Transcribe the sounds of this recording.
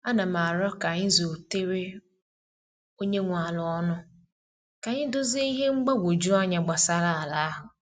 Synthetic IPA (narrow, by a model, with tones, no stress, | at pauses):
a˦na˨m̩˨a˨ɾɔ˦ka˨ɲɪ˦zo˨te˦ɾe˦ | o˦ɲe˦ŋʷa˨lʊ˨ɔ˦nʊ˦ | ka˨ɲɪ˦dʊ˦zi˦i˦ɦe˦ŋ͡m̩˦ɡ͡ba˦ɡʷo˨d͡ʒu˦a˦ɲa˨ɡ͡ba˨sa˦ɾa˦˨a˨la˦a˦ɦʊ˨